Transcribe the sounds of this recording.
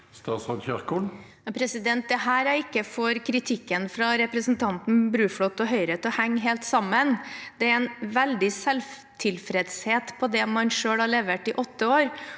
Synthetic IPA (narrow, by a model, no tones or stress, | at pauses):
st̪ɑːsʁɑnçæʁkul | ɑpʰɾɛsɪd̪ɛnt̪̚d̪ɛɦæːɾæɾɪkːəfɔɾkʰɾɪt̪ʰɪkːənfɾɑɾɛpɾəsnt̪ʰɑnt̪n̩bɾʉːfɽɔt̪ːɔɦœʏɾeːt̪ɔhæŋːɦeːlt̪sɑmːənd̪ɛæɾɛnʋɛld̪ɪsɛlf | t̪ʰɪlfɾɛd̪sheːt̪pʰɔd̪ɛmɑnʂøːɽlhɑɭeːʋəʈɪʔɔt̪ːəoːɾ